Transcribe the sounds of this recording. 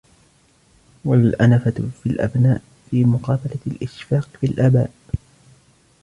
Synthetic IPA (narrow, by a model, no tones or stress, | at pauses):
walʔanafafilʔa̰bnaːʔ | fiːmʊqɑːbalalʔɪʃfaːqfilʔaːba̰ːʔ